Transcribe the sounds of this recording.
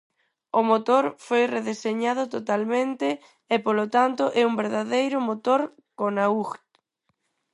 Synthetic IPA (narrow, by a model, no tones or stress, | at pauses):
ʊmot̪oɾfojreðeseɲaðʊt̪ot̪almẽnt̪ɪː | polot̪ant̪ʊʔɛumbeɾðaðejɾʊmot̪oɾ | konauɣ